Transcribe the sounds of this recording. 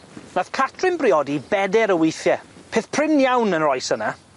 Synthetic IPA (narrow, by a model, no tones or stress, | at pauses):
naθkʰatʰrɪnbrɪɔdibɛdɛɾəwɪjθjɛpʰeːθpʰrɪnjawnənrɔjsəna